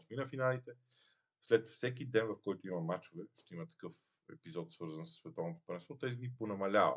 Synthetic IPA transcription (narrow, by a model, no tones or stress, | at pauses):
sminɐfinalit̪ɛ | slɛt̪fsɛkid̪ɛnvɐfkɔjt̪ʊimɐmat͡ʃʊvɛʃt̪ɛimət̪ɐ̥kɤf | ɛ̰pizɔt̪svɤɾzəɐnsə̥sːvɛt̪ɔvnot̪o̥pɐɾɛsvˠɔt̪ɛzid̪niponɐmɐlʲavə̰